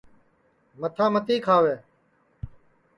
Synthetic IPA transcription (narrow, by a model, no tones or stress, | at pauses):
mət̪ʰãːmət̪iːkʰaːʋeː